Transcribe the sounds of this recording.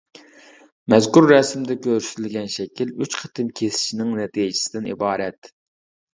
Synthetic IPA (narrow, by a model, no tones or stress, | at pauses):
mɛzkuɾːɛsmd̪ɛkʲʰøɾsyzlɡʲɛnʃɛkʲʰilyt͡ʃqʰə̥t̪ʰɨmkʲʰesɪ̥ʃinɪŋnɛt̪ʰijd͡ʒʰɪ̥sɪd̪ɪnḭbɑːɾɛt̪